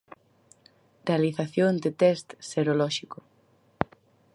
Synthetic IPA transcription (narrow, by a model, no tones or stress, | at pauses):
realiθaθjoŋd̪et̪ɛst̪seɾolɔʃikʊ